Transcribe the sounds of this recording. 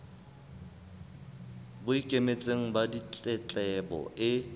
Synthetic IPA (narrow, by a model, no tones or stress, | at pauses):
bʊikʼemet͡sʼeŋ̩badit͡ɬʼɛt͡ɬʼɛbɔ̰ʔɪ